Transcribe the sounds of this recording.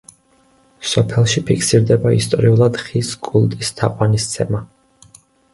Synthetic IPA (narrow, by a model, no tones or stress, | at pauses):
sɔpʰɛlˠʃipʰikʰsiɾd̪ɛbaḭst̪ʼɔ̰ɾiulˠad̪χiskʼulˠt̪ʼist̪ʰaqʼwanist̪sʰɛma